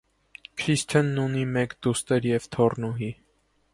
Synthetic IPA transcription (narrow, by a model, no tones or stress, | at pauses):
kʰɾist̪ʰənːunimɛkd̪ust̪ɛɾjɛvt̪ʰɔrnuɦi